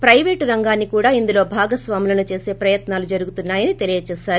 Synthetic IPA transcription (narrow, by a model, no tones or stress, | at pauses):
pɾɐjʋeːʈɾɐŋɡaːnːikuːɽaːind̪ulo̞ːbʱaːɡɐsʋaːmilɐnut͡ʃe̞ːse̞ːpɾɐjɐt̪naːlud͡ʒɐɾuɡut̪unːaːjɐnit̪e̞lijɐt͡ʃɛːʃaːɾu